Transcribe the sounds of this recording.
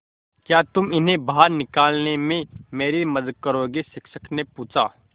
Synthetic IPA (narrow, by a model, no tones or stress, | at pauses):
kjaːt̪ʊmɪnɦẽbaɦəɾnɪkaːlnemẽmeːɾemɐd̪əd̪̚kəɾoːɡisɪkʃəknepuːt͡ʃaː